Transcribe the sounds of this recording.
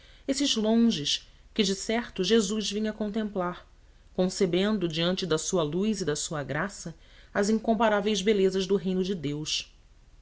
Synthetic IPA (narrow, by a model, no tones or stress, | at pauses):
esɪʒlõʒɪʃkɪd͡ʒɪsɛɾt̪ʊʒezuzvĩɲɐkõnt̪̬ẽmplaɾ | kõsebẽnd̪ʊd͡ʒiɐ̃nt͡ʃɪd̪ɐsuɐlujzɪd̪ɐsuɐɡɾasɐ | ɐzĩŋkõmpaɾavejzbelezɐʒd̪ʊɦẽj̃nʊd͡ʒɪd̪ews